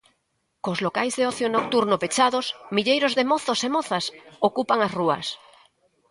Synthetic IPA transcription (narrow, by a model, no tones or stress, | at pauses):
kozlokajzðeɔθjonok̚t̪uɾnopet͡ʃaðosmiʎejɾozðemoθosemoθasokupaŋasrua̰s